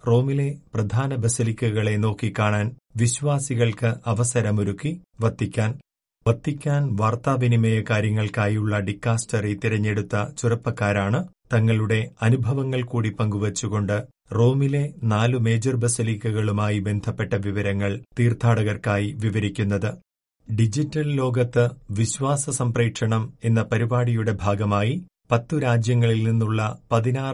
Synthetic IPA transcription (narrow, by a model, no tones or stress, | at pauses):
ro̞ːmile̞prɐd̪ʱaːnɐbɐsɐlikʲːɐɣɐɭe̞no̞ːkːikːaːɳaːn | ʋiɕʋaːsiɣɐɭkɨʔɐʋɐsɐɾɐmuɾukːiʋɐt̪ʰːikʲːaːn | ʋɐt̪ːikʲːaːnʋaːrt̪aːʋinimɐjɐkaːɾjɐŋːɐɭkaːjuɭːɐɖikːaːstɐrit̪iɾɐɲːe̞ɽut̪ːɐt͡ɕurɐpːɐkːaːɾaːɳɨt̪ɐŋːɐɭuɽe̞ɐnubʱɐʋɐŋːɐɭkuːɽipɐŋɡuʋɐt͡ɕːuɣo̞ɳɖɨ | ro̞ːmile̞naːlume̞ːd͡ʑɐrbɐsiliːkːɐɣɐɭumaːjibe̞nd̪ʱɐpːe̞ʈːɐʋiʋɐɾɐŋːɐɭt̪iːrt̪ʰaːɽɐɣɐrkaːjiʋiʋɐɾikʲːunːɐðɨ | ɖid͡ʑitːɐllo̞ːɡɐt̪ːɨʋiɕʋaːsɐsɐmpreːkʂɐɳɐme̞nːɐpɐɾibaːɽijuɽe̞bʱaːɡɐmaːji | pɐt̪ːuɾaːd͡ʑjɐŋːɐɭilninːuɭːɐpɐðinaː